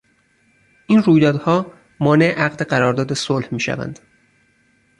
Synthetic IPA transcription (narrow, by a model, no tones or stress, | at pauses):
ʔiːnruːjd̪ɒːd̪hɒː | mɒːne̞ʔeʔæɢd̪eɢæɾɒːɾd̪ɒːd̪esolhmiːʃæ̰væ̰nd̪̥